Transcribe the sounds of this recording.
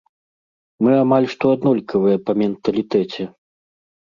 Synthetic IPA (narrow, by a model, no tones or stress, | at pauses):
mɨamalʲʂt̪ɔad̪nɔlʲkɐvɨjɐpɐmʲɛnt̪ɐlʲit̪ɛt͡sʲɛ